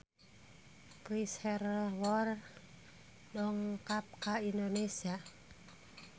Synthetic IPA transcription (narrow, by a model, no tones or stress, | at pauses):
pishɛrwɔr | dɔŋkap̚kaindonesia